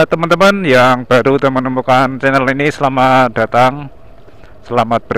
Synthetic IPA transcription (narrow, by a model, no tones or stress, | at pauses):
t̪əmant̪əmanjaŋb̥a̤ɾud̪amənəmukant͡ʃenəɾalinisəlamat̪̚d̥a̤t̪aŋ | səlamat̪̚b̥ə